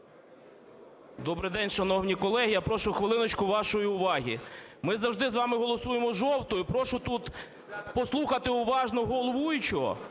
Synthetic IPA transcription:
d̪ɔbɾɪjd̪ɛnʲʃɐnɔwnʲikɔlˠɛɦijapɾɔʃʊxʋɪlˠɪnɔt͡ʃkʊʋɑʃɔjiʊʋɑɦʲimɪzɐwʒd̪ɪzʋɑmɪɦɔlˠɔsujemɔʒɔwt̪ɔjʊpɾɔʃʊt̪ut̪ | pɔslˠuxɐt̪ɪʊʋɑʒnɔɦɔlˠɔʋujʊt͡ʃɔɦɔ̰

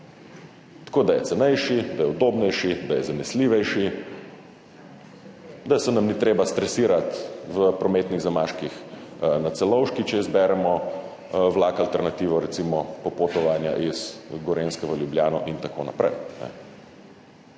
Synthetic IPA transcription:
t̪ḁkoːd̪ajɛt̪sɛnɛjʃid̪ajɛud̪oːbnɛjʃid̪ajɛzanɛsliːʋɛjʃi | d̪asɛnamnit̪ɾeːbast̪ɾɛsiːɾat̪ʋəpɾɔmeːt̪niɣzamaːʃkixnat̪sɛlɔwʃkit͡ʃɛizbɛɾɛmɔ | ʋlaːkalt̪ɛɾnat̪iːʋɔɾɛt̪simɔpɔpot̪ɔʋanja̰ʔiz̥ɡɔɾenskɛʋəljubljaːnɔʔint̪ako̰na̰pɾɛ̰jnɛ̰

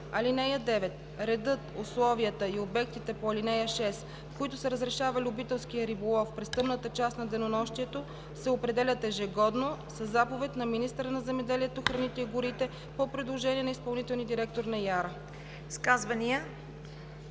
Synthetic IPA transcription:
ɐlinɛjəd̪ɛvɛt̪ | ɾɛd̪ɤt̪ʊslˠɔviət̪əiobɛkt̪it̪ɛpoɐlinɛjəʃɛs | fkoit̪ʊsɐɾəzɾɛʃavɐlʲiʊbit̪ɛlˠskijəɾibolˠɔfpɾɛst̪ɤmnət̪ət͡ʃast̪nɐd̪ɛnonɔʃt̪iɛt̪o | sɛopɾɛd̪ɛlʲət̪ɛʒɛɡɔd̪nosɐzːapovɛt̪nɐminist̪əɾənɐzɛmɛd̪ɛliɛt̪oxɾɐnit̪ɛiɡʊɾit̪ɛ | popɾid̪lˠoʒɛniɛnɐispɐlˠnit̪ɛlˠnid̪iɾɛk̚t̪oɾnɐjaɾə | skazvɐniə

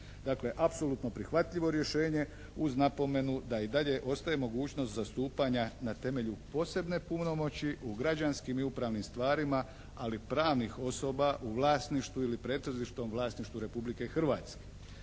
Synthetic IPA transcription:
d̪aːkle̞ʔapso̞lˠut̪no̞pɾixʋat̪ʎʲiʋo̞ɾje̞ʃe̞ːɲe̞ | uznapo̞me̞nud̪aid̪aʎe̞ʔo̞st̪ajemo̞ɡuːt͡ɕno̞st̪zast̪uːpaɲanat̪e̞me̞ʎupo̞ːse̞bne̞pumno̞mo̞t͡ɕiʔuɡɾad͡ʑanskimiupɾaːʋnimst̪ʋaːɾima | alipɾaːʋnixo̞so̞baʔuʋlˠaːsniʃt̪ʋuilipɾe̞ːt̪ɾoziʃt̪omʋlˠaːsniʃt̪ʋuɾe̞publike̞xr̩ʋaːt̪ske

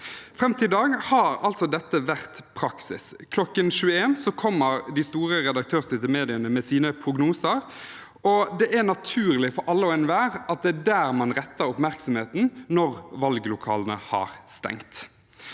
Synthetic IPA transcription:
fɾɛmt̪ʰɪd̪ɑːɡhɑɾɑlt̪sɔd̪ɛt̪ːəʋæʁt̪pʰɾɑksɪ̰s | kʰlɔkːənʃʉːəeːnsɔkʰɔmːəɾd̪ɪst̪uːɾəɾɛd̪ɑk̚t̪ʰøːʁst̪ɪt̪əmeːd̪ɪənəmɛsiːnəpʰɾʊɡnuːsəɾ | ɔd̪ɛʔænɑt̪ʰʉːɾlɪfɔɾʔɑlːəɔɛnʋæːʁɑt̪̚d̪ɛæɖæːɾmɑnʁɛt̪ːəɾʊpmæʁksɔm̩heːt̪n̩nɔʁʋɑlɡlʊkʰɑ̰ːlənə̰hɑ̰ɾst̪ɛ̰ŋt̪

